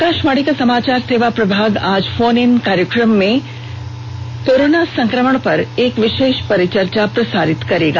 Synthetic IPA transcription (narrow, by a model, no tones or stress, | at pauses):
kaːʃmaːɽikasɐmaːt͡ʃaːɾseːʋapɾɐbʱaːɡaːd͡ʒfoːnɪnkaːɾjəkɾəmːẽ | koːɾoːnasɐ̃ŋkɾəməɳ̃pɐɾeːkʋɪʃeːʃpɐɾɪt͡ʃəɾt͡ʃapɾɐsaːɾɪt̪kɐɾeːɡaː